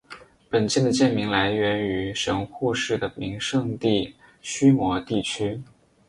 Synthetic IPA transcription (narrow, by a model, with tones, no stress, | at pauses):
pə˨˩nt͡ɕjɛ˥˩nd̪ə˩t͡ɕjɛ˥˩nmi˧˥ŋla˧˥ɪɥɛ˧˥ny˧˥ʂɤ˧˥ŋxu˥˧ʂɻ̩˥˩d̪ə˩mi˧˥ŋʂɤ˥˧ŋt̪i˥˩ | ɕy˥mwɔ˧˥t̪i˥˩t͡ɕʰy˥